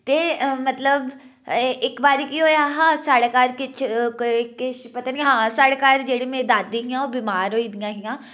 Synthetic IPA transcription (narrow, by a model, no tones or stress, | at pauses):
t̪emɐt̪ləb | ɪkbaːɾikiɦoːjaɦãsaːɽkaːɾkɪt͡ʃʰkkɪt͡ʃʰpɐt̪aniɦãːsaːɽkaːɾd͡ʒeːɽemẽd̪aːd̪ĩɦijãɔbimaːɾɦoːid̪ijãɦijãː